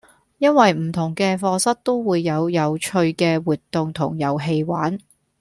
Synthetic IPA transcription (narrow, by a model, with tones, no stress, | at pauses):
jɐ˥nwɐ˨jm̩˨˩t̪ʰʊ˨˩ŋkɛː˧fɔː˧sɐ˥t̚t̪o˥wwuː˨˧jːɐ˨˧wjɐ˨˧wt͡ʃʰɵ˧ɥkɛː˧wuː˨t̚t̪ːʊ˨ŋt̪ʰʊ̰˨˩ŋjɐ˨˧wɦe˧jwaː˨˥n